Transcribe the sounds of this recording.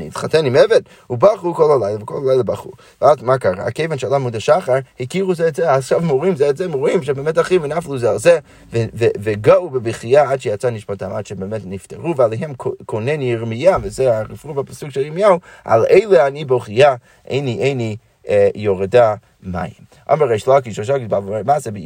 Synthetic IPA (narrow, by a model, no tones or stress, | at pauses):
itχatʰɛnimɛvɛd | ubaχukɔlˠalajlˠəvəkʰɔlˠalajlˠəbaχṵ | vadmakaʁa̰akevanʃɛadamudaʃaχaɾhikiʁuzɛːtzɛaχʃavmoʁimzɛːtzɛmʁoimʃ̬ɛbɛmɛtaχivɪnaflˠuzɛalˠzɛ | vvvɪɡaubɪbɪχijaadʃɛjat͡sanɪʃpatʰamad̥ʃɛbɛmɛtnɪftʰɛʁuvɪalˠejɦɛmkʰkʰonɛniʁmijavɪzɛaʁifʁuvapʰasukʃɛlˠimjaua̰lˠeɪlˠɛaniboχija | ʔḛɪniʔeɪni | joʁɛda | ma̰jɪ̰m | ʔa̰maɾʁejʃlˠakiʃeʃakibavɛmasɛb